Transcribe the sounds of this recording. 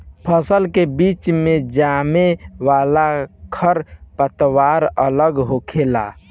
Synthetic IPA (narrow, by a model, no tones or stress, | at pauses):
pʰəsəlkebit͡ʃmẽd͡ʒamewalakʰəɾpət̪waɾələɡɦokʰela̰